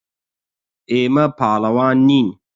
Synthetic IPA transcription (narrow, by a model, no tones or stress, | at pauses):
eːmɐpʰaːlɐwaːnːiːn